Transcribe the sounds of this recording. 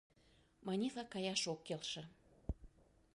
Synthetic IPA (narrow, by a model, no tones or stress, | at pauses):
mɑnʲilɑkɑjɑʃokːelʃə̆